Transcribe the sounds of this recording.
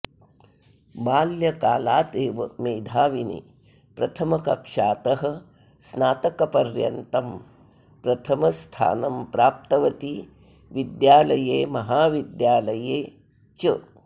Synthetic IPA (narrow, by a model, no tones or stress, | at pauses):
baːljɐkaːlaːt̪eːʋɐmeːd̪ʱaːʋinḭ | pɾɐt̪ʰɐmɐkɐkʂaːt̪ɐɦɐ̆ | snaːt̪ɐkɐpɐɾjɐ̰nt̪ɐm | pɾɐt̪ʰɐmɐst̪ʰa̰ːnɐmpɾaːp̚t̪ɐʋɐt̪i | ʋid̪jaːlɐjeːmɐɦaːʋid̪jaːlɐjeː | t͡ʃɐ